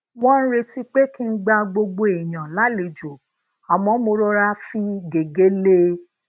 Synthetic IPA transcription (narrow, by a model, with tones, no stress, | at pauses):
wɔ̃˦n̩˦ɾe˧ti˦k͡pe˦ki˦n̩˦ɡ͡ba˧ɡ͡bo˧ɡ͡bo˧e˨j̃ã˨la˨˦le˨˧˨d͡ʒo˨ | a˨mɔ̃˨˦mo˧ɾo˧ɾa˧fi˧ɡe˨ɡe˨˦le˧˦